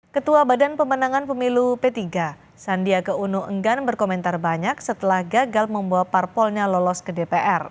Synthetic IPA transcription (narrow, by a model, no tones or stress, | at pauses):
kət̪uabadanpəmənaŋanpəmilupet̪iɡa | sandiakəunuʔəŋɡanbərkomɛnt̪arbaɲak̚sət̪əlahɡaɡalməmbuaparpɔlɲalɔlɔskədepeʔɛr